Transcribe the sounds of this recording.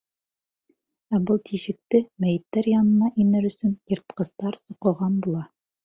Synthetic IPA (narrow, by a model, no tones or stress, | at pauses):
æbɤlˠt̪ʰiʃɘ̆k̚t̪ɘmæjɘ̆t̪ːæɾjɑnɤ̆nɑʔinɘɾɵ̆sɵnjɤ̆ɾt̪qɤ̆zt̪ɑɾsŏqɤ̆ʁɑnbulˠɑ